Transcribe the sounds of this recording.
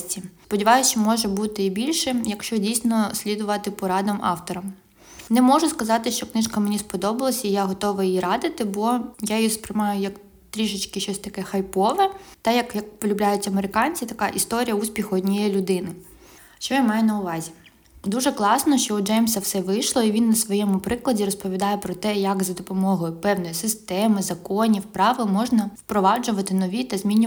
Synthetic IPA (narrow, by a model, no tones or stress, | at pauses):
tʲispɔdʲiʋɑjʊt͡ʃɪmɔʒɛbut̪ɪibʲilʲʃɛjɐkʃt͡ʃɔdʲijsʲnɔsʲlʲid̪ʊʋɐt̪ɪpɔɾɑd̪ɐmɑ̰wt̪ɔɾɐm | nɛmɔʒʊskɐzɑt̪ɪʃt͡ʃɔknɪʃkɐmenʲispɔd̪ɔbɐlˠɐsʲɐijaɦɔt̪ɔʋɪjiɾɑd̪ɪt̪ɪbɔjajjispɾɪmɑjʊjɐk | t̪ɾʲiʒɪt͡ʃkɪʃɔsʲt̪ɐkɛxɐjpɔʋɛt̪ɐjɐkjɐkpɔlʲʊblʲajʊt͡sʲɐmeɾɪkɑnʲt͡sʲit̪ɐkɑʔist̪ɔɾʲijɐusʲpʲixʊɔdʲnʲijɛjlʲʊd̪ɪnɪ | ʃt͡ʃɔjamɑjʊnɐʊʋɑzʲi | d̪uʒɛklˠɑsnɔʃt͡ʃɔʊd͡ʒɛjmsɐwsɛʋɪjʃlˠɔiʋʲinːɐsʋɔjɛmʊpɾɪklˠɐdʲirɾɔspɔʋʲid̪ɑjɛpɾɔt̪ɛjɐkzɐd̪ɔpɔmɔɦɔjʊpɛwnɔjisɪst̪ɛmɪzɐkɔnʲiwpɾɑʋɪlˠmɔʒnɐwpɾɔʋɑd͡ʒʊʋɐt̪ɪnɔʋʲit̪ɐzʲmʲinʲː